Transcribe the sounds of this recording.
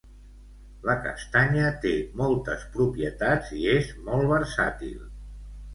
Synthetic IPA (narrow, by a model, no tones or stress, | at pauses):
ləkə̰st̪aɲət̪emɔlˠt̪əspɾupiət̪ad͡ziezmɔlˠβəɾsa̰t̪ḭlˠ